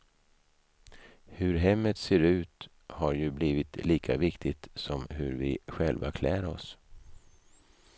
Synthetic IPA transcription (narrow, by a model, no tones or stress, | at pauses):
hɵɾɦɛmːət̪seːɾʉ̟ːt̪ | haɾjɵbliːvɪt̪liːkʰa̰vɪkt̪ʰɪt̪sɔmɦɵɾvɪɧɛlva̰kʰlɛːɾɔ̰s